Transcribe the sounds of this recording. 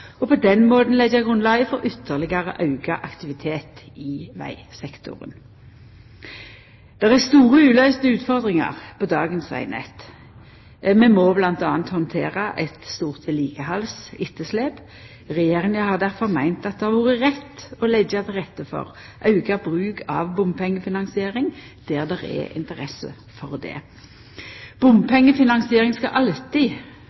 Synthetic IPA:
ɔpʰɔd̪ɛnmoːd̪n̩lɛɡæɡʁʉnlɑɡəfɔʁʏt̪ʰːəʁlɪɡɑʁəʔɑʉɡɑʔɑkt̪ɪʋɪt̪ʰeːt̪ɪʋæ̰ɪsɛkt̪ʰʊ̰ʁə̰n | d̪̥ɛʁæst̪uːʁəʉːlœʏst̪əʉːt̪fɔʁd̪ʁɪŋɑ̰ʁpʰɔd̪ɑːɡənsʋæ̰ɪnɛ̰t̪ | mɛmɔblɑnt̪ɑːnt̪hɔnt̪ʰeːʁɑʔɛt̪st̪uːʁt̪ʰəliːɡəhɑlsɪt̪ʰːəsleːp | ʁɛjeːʁɪŋəhɑʁd̪æʁfɔʁmæɪnt̪ɑt̪̚d̪ɛhɑʁʋoːʁəʁɛt̪ːɔlɛɡɑt̪ʰlʁɛt̪ːəfɔ̰ʁ | ʔɑʉɡɑbʁʉːɡɑ̰ʋbʊmpʰɛŋːəfɪnɑnsɪeːʁɪŋ | d̪̥æːʁd̪ɛʁɛ̰ʔɪ̰nt̪əʁɛsə̰ | fɔʁd̪ɛ̰ | b̥ʊmpʰɛŋːəfɪnɑnsɪeːʁɪŋskɑʔɑlt̪ɪ

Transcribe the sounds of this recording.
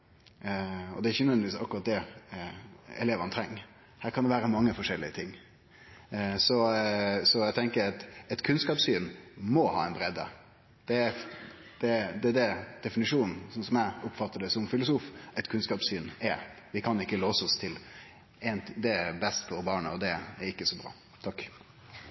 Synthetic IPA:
ɔ̰d̪ɛɾɪçənʋɛnʋiːsɑ̰kːʊɾɑt̪̚d̪ɛ | ɛ̰leːʋəɾɑnt̪ʰɾɛŋːə | hæːɾkʰɑnd̪ɛʋæːɾəmɑŋːəfɔʂɛlːɪət̪ʰɪŋː | sɔsɔæt̪ʰɛŋkəɾɑt̪ɛt̪kʰʉnskɑːpsyːnmɔhɑ̰ːɛɪnbɾɛd̪ə̰ | d̪̥ɛæɾ | d̪̥ɛd̪ɛd̪ɛd̪ɛfɪnɪʂuːnn̩sɔnsɔmæɪʊpfɑt̪ːəɖɛsɔmfɪlʊsuːfɛt̪kʰʉnskɑːpsyːnɛɾ | ʋɪkʰɑnɪkːəloːsəɔst̪ʰɪl | ɛnd̪ɛɛɾbɛst̪əɔbɑːɳəɔd̪ɛæɾɪkːəsɔbɾɑ̰ː | t̪ʰɑkː

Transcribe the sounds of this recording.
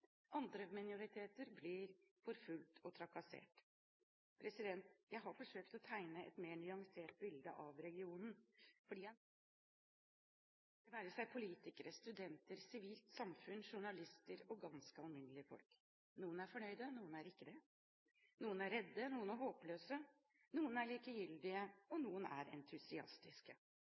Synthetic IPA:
ʔɑnd̪ɾəmɪnɪʊɾɪt̪ʰeːt̪əɾblɪɾfɔɾfʉlt̪ʰɔt̪ʰɾɑkɑsḛːʈ | pʰɾɛsɪd̪ɛnt̪jæɪɦɑɾfɔʂøːkt̪ɔt̪ʰæɪnəʔɛ̰t̪meːnyɑŋseːʈ̚bɪld̪əʔɑʋɾɛɡɪuːnən̩fɔɖiː | d̪̥ɛnæɾəʂæɪpʰʊliːt̪ɪkəɾəst̪ʉd̪ɛnt̪əɾsɪʋiːlt̪sɑmfʉnʂʊɳɑlɪst̪əɾɔɡɑnskəɑlmɪnːəlɪəfɔ̰lk | nuːənæɾfɔɳœʏd̪ənuːənæɾɪkːəd̪ɛ | nuːənæɾːɛd̪ːənuːənæɾɦoːpløːsə | nuːənæɭiːkəjʏld̪ɪəɔnuːənæ̰ɾɛ̰nt̪ʰʉsɪɑ̰st̪ɪskə

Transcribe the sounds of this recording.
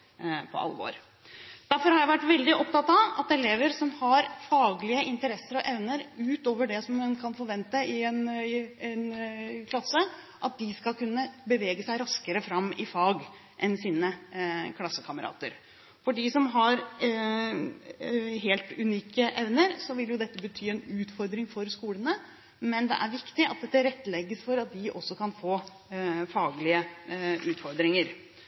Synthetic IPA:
pʰɔ̰ʔɑ̰lːəʋo̰ːɾ | d̪̥æɾfɔɾhɑɾjæɪʋæʈːʋɛld̪ɪʔɔp̚t̪ɑt̪ɑʋɑt̪ɛleːʋəɾsɔmhɑɾfɑːɡlɪəʔɪnt̪əɾɛsːəɾɔʔɛʋnəɾʉːt̪oːʋəɖɛsɔmːɛnkʰɑnfɔɾʋɛnt̪əɪɛnɛnkʰlɑsːə | ʔɑt̪̚d̪ɪskɑlkʉnːəbəʋeːɡəsæɪɾɑskəɾəfɾɑmːɪfɑːɡ | ʔɛnsiːnəkʰlɑsːəkʰɑməɾɑ̰ːt̪ə̰ɾ | fɔɖisɔmɦɑɾ | ɦeːlt̪ʉniːkəʔɛʋnəɾsɔʋɪljʊd̪ɛt̪ːəbət̪ʰyːɛnʉːt̪fɔɾd̪ɾɪŋfɔɾskuːlənə | mɛnd̪ɛ̰ʔæɾʋɪkt̪ɪʔɑt̪̚d̪ɛt̪ːəɾɛt̪ːlɛɡːəsfɔɾɑt̪̚d̪ɪʔɔsːɔkɑnfoː | fɑːɡlɪəʔʉːt̪fɔɾd̪ɾɪŋəɾ

